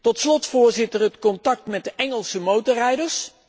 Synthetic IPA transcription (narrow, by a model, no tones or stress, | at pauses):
tɔtslɔtfʊːɹzɪtərətkɔntɑk̚tmɛt̚dəʔɛŋəlˠsəmowtɔrɛjdəɹs